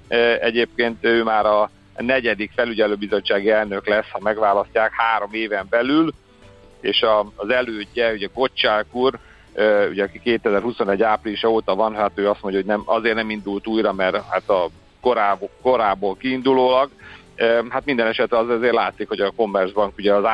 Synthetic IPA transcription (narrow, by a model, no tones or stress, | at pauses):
øɛɟeːp̚keːnt̪øːmaːɾɒ | nɛɟɛd̪ikfɛlyɟɛløːbizo̞t͡ʃːaːɡiɛlnø̞klɛshɒmɛɡʋaːlɒscaːkhaːɾo̞meːvɛmbɛlyl | eːʃɒːzɛløːɟːɛuɟɛko̞t͡ʃːaːlkuːr | øṵɟɛɒkikeːt̪ɛzɛrhuso̞nɛɟːaːpriliʃɒoːt̪ɒvɒnɦat̪øːɒst̪mo̞ɲɟɒɦo̞ɟnɛmɒzeːrnɛmind̪ult̪uːjrɒmɛrhat̪ɒ | ko̞ɾaːbko̞ɾaːboːlkiːnd̪uloːlɒɡ | øɦat̪mind̪ɛnɛʃɛt̪rɛɒzzeːrla̰ːt̪sikho̞ɟɒko̞mːɛrʒbɒŋkuɟɛɒza